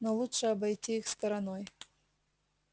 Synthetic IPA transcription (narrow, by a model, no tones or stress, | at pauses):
nolˠutʂɨɐbɐjtʲiixst̪ɐɾɐnoj